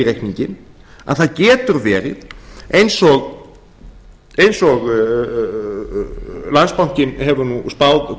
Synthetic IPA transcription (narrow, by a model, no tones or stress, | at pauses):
ɾejhkniɲcɪn | a̰ðθaðcɛːt̪ʏɾvɛːɾɪ̰ðejnsɔɣ | ejnsɔɣ | lanspawŋ̥cɪnɦɛvʏɾnuspawð